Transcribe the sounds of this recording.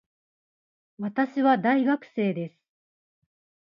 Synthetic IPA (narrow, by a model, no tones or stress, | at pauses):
βat̪aɕiβad̪aiɡakɯ̟̥se̞ːd̪e̞sɨ̥